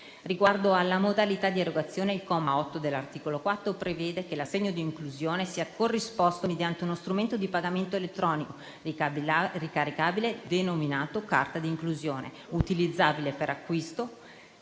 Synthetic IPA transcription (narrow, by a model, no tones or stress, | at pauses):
riɡward̪oalːamod̪alit̪ad̪ieɾoɡat̪sːjoːneilkɔmaɔt̪ːod̪elːart̪iːkolokwat̪ːɾopɾevɛːd̪ekelasːeɲːod̪iːŋkluzjoːnesiːakorːispɔst̪omed̪jant̪eunost̪ɾument̪od̪ipaɡament̪oelet̪ːɾɔːniko | rikaɾikaːbiled̪enominaːt̪oka̰rt̪ad̪iːŋkluzjoːnḛ | ut̪ilid̪zːaːbilepeɾakːwist̪o